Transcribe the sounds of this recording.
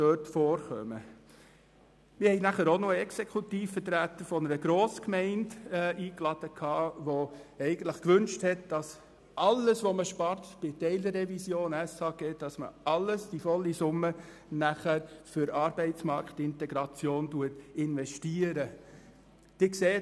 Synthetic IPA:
døːtfɔːɾχœ̰mə | mɪɾhɛɪnæχəɾonoɛksekʰutiːfːətɾæt̪əɾfɔnəɾəɡɾoːskmɛɪndiːklɑd̥əkʰɑːʋoɛɪɡ̥ən̩t̪ləχkʋʏnʃthɛtd̥ɑs | ʔɑlːəsʋoməʃpɑɾt̪b̥ɪtɛɪldəɛvisjoːnæsɑkeːtd̥ɑsmə̰ʔɑlːəsd̥ifɔlːisʊmːə | næχæɾfʏɾɑːɾbɛɪt͡smɑɾkχtɪntɛɡɾɑt͡sjoːntuətɪnʋɛʃtiːəɾə | d̪̥ɪkseː

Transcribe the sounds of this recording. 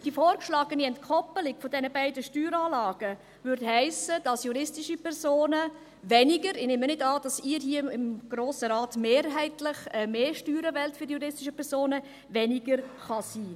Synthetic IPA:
d̥ifoːɾkʃlɑːɡəniɛntkʰɔpəlɪkfɔdɛnəbæɪdəʃtyːɾɑːlɑːɡ̥ə | vʏɾthæɪsəd̥ɑsjuɾɪstɪʃipʰɛɾsoːnə | vɛnɪɡəɾɪneːmənɪdɑːd̥ɑsɪːɾɦiəɪmɡ̥ɾoːsəɾɑːtmeːɾɦæɪtlɪχɛmeːʃtyːɾəvɛltfyːdjuɾɪstiʃəpʰɛɾsoːnə | vɛnɪɡəɾχɑsiː

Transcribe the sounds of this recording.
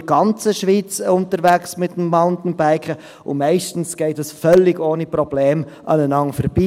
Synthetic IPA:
ɡɑnt͡səʃʋiːt͡sʊntəɾʋæksmɪtːəm̩maʊntn̩bæɪkə | ʊ̰mɛɪʃtn̩sɡ̥ɛɪt̚əsfœlːɪɡoːniprɔb̥leːm | ʔɑ̰nənɑŋfəɾb̥iː

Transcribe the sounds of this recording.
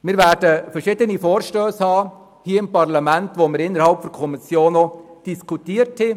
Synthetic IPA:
mɪːɾvæːɾdəfɛɾʃɪdənifoːɾʃtøːshɑː | hiːəɪmpɑɾlɑmæntʋomɪɾɪnːəɾhɑlpfɔɾkʰɔmisjoːnːɔd̥iskʰutiːəɾthi

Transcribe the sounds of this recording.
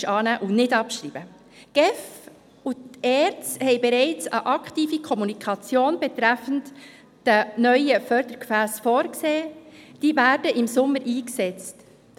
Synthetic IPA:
ʃɑːnæːʔunɪdɑpʃɾiːb̥ə | ɡ̥ɛf | utɛːɾt͡shɛɪbɛɾɛɪt͡sə̰ʔɑktiːfikʰɔmunikʰɑt͡sjoːnbɛt̪ɾæfən̩t | d̥ənœʏəfœɾd̪əɾkfæːsfoːɾkseːd̥iːvæːɾdəʔɪmsʊmːəɾʔiːksɛt͡st

